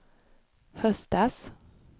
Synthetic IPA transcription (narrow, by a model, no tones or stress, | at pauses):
hœsd̪ɑːs